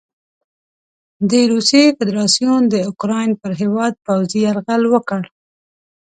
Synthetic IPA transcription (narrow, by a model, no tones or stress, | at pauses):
d̪əɾusjefɪd̪ɾɑsjund̪əʊkɾɑjnpəɾɦewɑd̪̚pawziaɾɣalwəkəɽ